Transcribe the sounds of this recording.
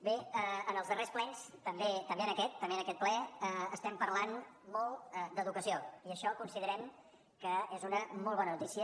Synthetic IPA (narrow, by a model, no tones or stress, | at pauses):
beəənəlˠzðəresplɛnst̪əmbet̪əmbeənəkɛt̪ːəmbeənəkɛt̪̚plɛəəst̪ɛmpəɾlan | mɔlˠd̪əðukəsioiəʃɔkunsiðəɾɛm | kəezunəmɔlˠβɔnənut̪isiə